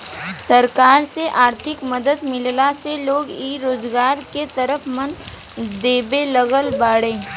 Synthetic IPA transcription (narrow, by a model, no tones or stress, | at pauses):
sɐɾkaːɾseʔaːɾt̪ʰɪkməd̪əd̪mɪllaseloːɡiːɾoːzɡaːɾket̪əɾəfʰmən | d̪eːbelɐɡəlbaːɽẽː